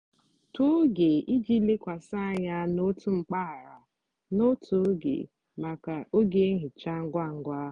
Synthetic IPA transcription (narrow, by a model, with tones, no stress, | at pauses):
tu˦ɡe˨ʔi˦d͡ʒi˦le˦kʷa˨sa˦a˨ɲa˦no˦tu˦ŋ͡m̩˨k͡pa˦a˨ɾa˨ | no˦tʰu˨˦ɡḛ˨ | ma˨ka˨o˦ɡe˦ɦɪ˨t͡ʃa˦ŋ̩˦ɡʷa˦˨ŋ̩˦ɡʷa˦